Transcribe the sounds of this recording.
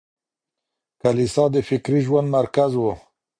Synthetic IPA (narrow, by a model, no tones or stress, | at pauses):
kalisɑd̪əfɪkɾiʒwand̪maɾkazwo